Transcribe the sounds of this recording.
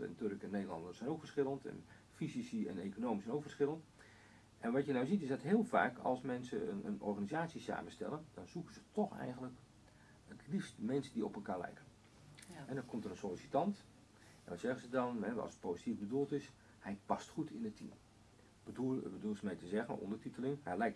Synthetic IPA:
ɛ̰ntørkɛnːejdəlˠɑndərsɛjnowkfərsχɪlˠəntɛ̰n | fizisiɛ̰nekonoːmisɛjnokfərsχɪlˠənt | ʔɛnʋɑtjənawzitɪsdɑtɦɪːlˠfa̰ːkʰɑ̰lˠsmɛnsəənənɔ̰rχaːnizaːtsisa̰ːmənstɛ̰lˠəndɔnzukəzətʰɔxɛ̰jɣənlək | ətlifstmɛnsədiɔpəlˠkaːrlɛ̰jkən | ɛdɔnkʰɔmtərənsolisitɑnt | ɛnʋɑtsɛɣəzədɑnɛ̰sə̥t̚powzitivbədulˠtɪs | hɛjpɑstχutʰɪnətʰːḭm | bədulˠsəmɛjtəzɛɣənɔ̰ndərtitəlɪŋhalɛjk

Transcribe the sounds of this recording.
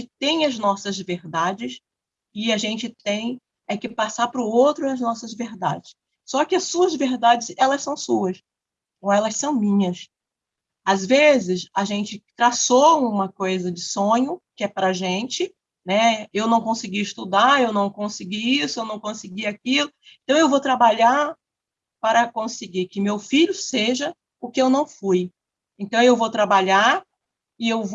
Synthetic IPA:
ɪt̪ẽj̃ɐznɔsɐzveɾd̪ad͡ʒɪs | ɪaʒẽnt͡ʃɪt̪ẽj̃ | ɛkɪpasapɾʊowt̪ɾʊɐznɔsɐzveɾd̪a̰d͡ʒɪs | sɔkɪɐssuɐzveɾd̪ad͡ʒɪzɛlɐssɐ̃w̃suɐs | oɛlɐssɐ̃w̃mĩɲɐs | azvezɪsaʒẽnt͡ʃɪt̪ɾasoũmɐkojzɐd͡ʒɪsõɲʊkɪɛpɾɐʒẽnt͡ʃɪ | nɛewnɐ̃w̃kõsɪɡiɪʃt̪ud̪aewnɐ̃w̃kõsɪɡiisʊewnɐ̃w̃kõsɪɡiakilʊ | ẽt̪ɐ̃w̃ewvowt̪ɾabaʎaɾ | paɾɐkõsɪɡikɪmewfiʎʊseʒɐ | ʊkɪewnɐ̃w̃fuj | ẽt̪ɐ̃w̃ewvot̪ɾabaʎaɾ | ɪewv

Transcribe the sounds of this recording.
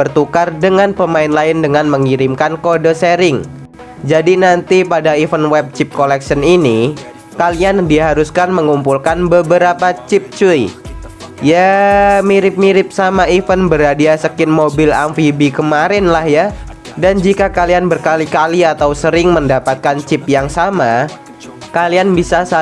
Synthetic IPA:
bərt̪ukardəŋanpəmaɪnlaɪndəŋanməŋiɾɪmkankodoseɾɪŋ | d͡ʒadinant̪ipadaifənwɛb̚t͡ʃɪp̚kolɛksənini | kaliandiɦaɾuskanməŋumpulkanbəbəɾapat͡ʃɪp̚t͡ʃui | jamiɾɪp̚miɾɪp̚samaifənbəɾadiasəkɪnmobɪla̰mfibikəmaɾɪnlahja | dand͡ʒikakalianbərkalikaliat̪awsəɾɪŋməndapat̪̚kant͡ʃɪp̚jaŋsama | kalianbisasa

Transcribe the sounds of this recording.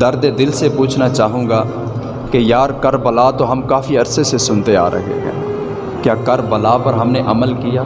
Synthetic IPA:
d̪ɐɾd̪ed̪ɪlsepuːt͡ʃʰnat͡ʃaːɦũːɡa | kejaːɾkɐɾbɐlat̪oɦɐmkaːfiɐɾsesesʊnt̪ea̰ːɾʔɐ̰ɦḛɡɛ̰̃ː | kjaːkɐɾbɐlapɐɾɦɐmneʔɐməlkijaː

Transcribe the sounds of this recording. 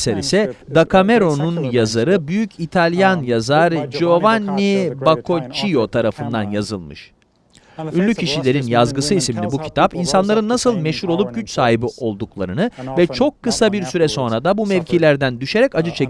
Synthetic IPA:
seɾḭsɛd̪akʰame̞ɾo̞nunjazaɾɯbyjycʰit̪ʰalʲjanjazaɾd͡ʒo̞vanʲːibakʰo̞t͡ʃʰijo̞t̪ʰaɾafɯnd̪a̰njazɯlˠmɯ̰ʃ | ynlʲycʰiʃilʲe̞ɾinjazɡɯsɯisminibucʰi̥t̪ʰapinsanlˠaɾɯnːasɯlˠmɛʃhuɾo̞lˠup̚ɟyt͡ʃsaːɦibiʔo̞lˠd̪uklˠa̰ɾɯnɯvɛt͡ʃʰo̞kʰːɯsabiɾsyɾɛso̞nɾad̪abumɛɾʲcʰilʲæɾd̪ænd̪yʃe̞ɾɛcad͡ʒɯt͡ʃʰe

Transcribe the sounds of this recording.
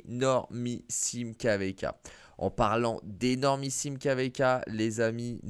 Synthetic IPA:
nɔʁmisimkʲavɛkʲa̰ | ɑ̰̃paʁlɑ̃d̪enɔʁmisimkʲavɛkʲalezamin

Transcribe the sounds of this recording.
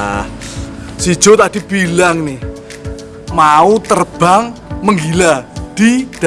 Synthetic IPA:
sid̥ʒ̥o̤t̪ad̥ib̥ilaŋnɪh | maut̪ərb̥aŋməŋɡilad̪̥id̥

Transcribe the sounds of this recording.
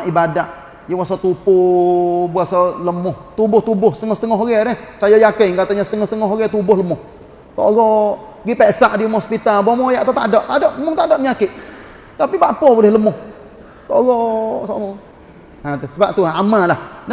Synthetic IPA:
aʔibadaʔ | jawasat̪upʊ | buasaləmʊht̪ubʊht̪ubʊhsə̥t̪əŋɔsət̪əŋɔɦɣɛɾɛhsajajakɪŋkat̪aɲasə̥t̪əŋɔhsət̪əŋɔɦɣɛt̪ubʊhləmʊh | t̪ɔ̰ʔɣɔʔ | ɡipɛʔsaʔdiumhɔspit̪albomɔjaʔt̪at̪adɔʔt̪adɔʔmʊŋt̪aʔdɔʔməɲakɪʔ | t̪apibaʔpɔbulɪhləmʊh | t̪ɔʔɣɔsɔʔŋ | at̪usəbap̚t̪uamalahn

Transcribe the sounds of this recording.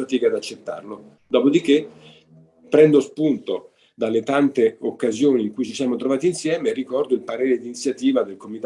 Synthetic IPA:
at̪iːkad̪at͡ʃːet̪ːa̰rlo | d̪ɔːpod̪ik̟ːe | pːɾɛnd̪ospunt̪o | d̪alːet̪ant̪eokːazjoːniːŋkujt͡ʃisjaːmot̪ɾovaːt̪iːnsjɛːmerikɔrd̪oilpaɾeːɾed̪init̪sːjat̪iːvad̪elkomit̪

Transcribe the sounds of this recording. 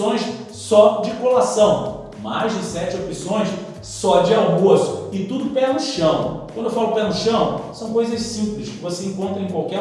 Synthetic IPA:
õj̃s | sɔd͡ʒɪkolasɐ̃w̃ | ma̰jzd͡ʒɪsɛt͡ʃɪopisõj̃s | sɔd͡ʒɪawmosʊ̥ɪt̪ud̪ʊpɛnʊʃɐ̃w̃kwɐ̃nd̪ewfalʊpɛnʊʃɐ̃w̃sɐ̃w̃kojzɐʃsĩmplɪʃkɪvoseẽŋkõnt̪ɾɐ̃ẽkwawkɛ

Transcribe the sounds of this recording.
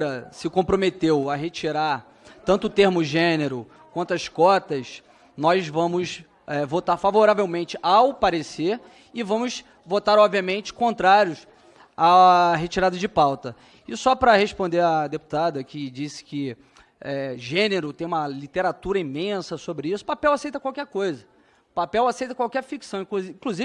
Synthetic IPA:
ɾɐsɪkõpɾomet̪ewɐɦet͡ʃiɾaɾ | t̪ɐ̃nt̪ʊːt̪eɾmʊʒẽneɾʊ | kwɐ̃nt̪ʊɐskɔt̪ɐs | nɔzvɐ̃mʊs | ɛvot̪aɾfavoɾavewmẽnt͡ʃɪʔawpaɾeseɾ | ɪvɐ̃mʊs | vot̪aɾɔbviɐmẽnt͡ʃɪ̥kõnt̪ɾaɾjʊs | aɦet͡ʃiɾad̪ɐd͡ʒɪpawt̪ɐ | ɪsɔpɾɐheʃpõnd̪eɾɐd̪epu̥t̪ad̪ɐkɪd͡ʒisɪ̥kɪ | ɛʒẽneɾʊt̪ẽj̃ũmɐlit̪eɾat̪uɾɐĩmẽsɐsobɾɪisʊ̥papɛwasejt̪ɐkwawkɛɾkojzɐ | papɛwasejt̪ɐkwawkɛɾfiksɐ̃w̃ĩkzĩkluziv

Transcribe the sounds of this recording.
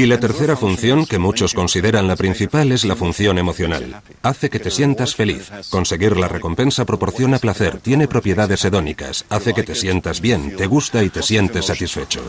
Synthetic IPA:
ilat̪e̞ɾθe̞ɾafun̟θjo̞ŋke̞mut͡ʃo̞sko̞nsið̞e̞ɾanlapɾin̟θipale̞zlafun̟θjo̞ne̞mo̞θjo̞na̰l | aθe̞ke̞t̪e̞sje̞nt̪asfe̞lḭθko̞nse̞ɣiɾlare̞ko̞mpe̞nsapɾo̞po̞ɾθjo̞naplaθe̞ɾt̪je̞ne̞pɾo̞pje̞ðaðe̞se̞ðo̞nika̰saθe̞ke̞t̪e̞sje̞nt̪azβje̞nt̪e̞ɣ̞ust̪ait̪e̞sje̞nt̪e̞sat̪isfe̞t͡ʃo̰

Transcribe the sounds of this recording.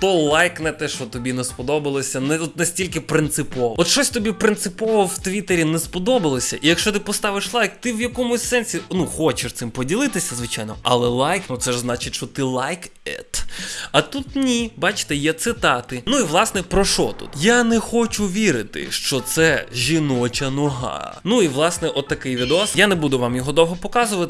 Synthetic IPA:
t̪ɔlˠajknɛt̪ɛʃt͡ʃɔt̪ɔbʲinɛspɔd̪ɔbɐlˠɔsʲɐnɛɔt̪nɐsʲtʲilʲkɪpɾɪnt̪sɪpɔʋɔɔt̪ʃt͡ʃɔsʲt̪ɔbʲipɾɪnt̪sɪpɔʋɔwt̪ʋʲit̪eɾʲinɛspɔd̪ɔbɐlˠɔsʲɐʔijɐkʃt͡ʃɔt̪ɪpɔst̪ɑʋɪʃlˠajk̚t̪ɪʋjɐkɔmʊsʲsɛnʲsʲinuxɔt͡ʃɪʃt̪sɪmpɔdʲilˠɪt̪ɪsʲɐzʋɪt͡ʃajnɔʔɐ̰lˠɛlˠajknut̪sɛʒznɑt͡ʃɪtʲʃt͡ʃɔt̪ɪlˠajkɛt̪ɐt̪ut̪nʲibɑt͡ʃɪ̥t̪ɛjɛt̪sɪt̪ɑt̪ɪnuiʋlˠɑsnɛpɾɔʃɔt̪ṵt̪janɛxɔt͡ʃʊʋʲiɾɪt̪ɪ̰ʃt͡ʃɔt̪sɛʒʲinɔt͡ʃɐnɔɦɑ̰nuiʋlˠɑsnɛʔɔt̪ːɐkɪjʋʲid̪eɔsjanɛbud̪ʊʋamjɔɦɔd̪ɔwɦɔpɔkɑzʊʋɐt̪

